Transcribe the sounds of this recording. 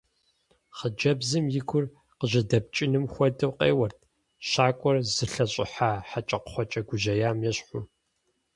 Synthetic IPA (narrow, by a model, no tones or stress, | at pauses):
χəd͡ʒɐbzɨmjɪkʷʰʊr | qəʑɐdɐp̚t͡ʃʼɪnɨmxʷɔdɐwqḛːwɐrt̚ʰ | ʃaːkʷʼɔrzɨɬɐɕʼɪ̰ħaːħat͡ʃʼɐqχʷɔt͡ʃʼɐɡʷʊʑɐjaːmjɛɕħʊ